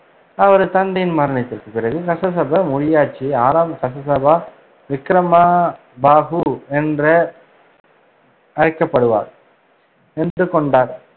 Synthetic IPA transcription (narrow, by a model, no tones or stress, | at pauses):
ɐʋɐɾɯt̪ɐnɖ̪ɐjɪnmɐɾɐɳɐt̪ːɪɾkɯpɪɾɐɣɯkɐsɐs̬ɐbɐmʊɻɪjaːʈ̚t͡ʃːiaːɾaːmɐkɐsɐs̬ɐbaː | ʋɪkɾɐma | baːɣɯɛndrɐ | ɐɻɐkːɐpːɐɽɯʋa̰ːɾ | ɛndrɯkɔɳɖaːɾ